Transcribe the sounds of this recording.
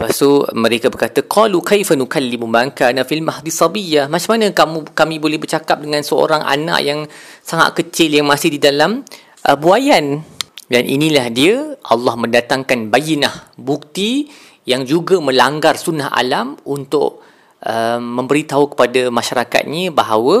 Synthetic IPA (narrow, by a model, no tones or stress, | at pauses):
pasumə̃ɾekabərkat̪aqʰɑlukajfanukalːimubaŋkanafilmahd̪isˤɑbijahmat͡ʃamanə̃kamukamĩbolɛhbərt͡ʃakap̚dəŋãnsəo̰ɾaŋʔa̰na̰ʔjaŋsaŋa̰t̪̚kət͡ʃɪljaŋmãsɪhdidalam | ʔəbuajandanʔḭnĩlahdiəʔɑ̰lːɑhmə̃ndat̪aŋkanbajinahbuk̚t̪i | jaŋd͡ʒuɡamə̃laŋɡarsunːaɦʔa̰lamunt̪ʊ̰ʔ̚ | ʔəmːə̃mbəɾit̪aukə̥padamaʃaɾaka̰t̪̚ɲəbaɦawə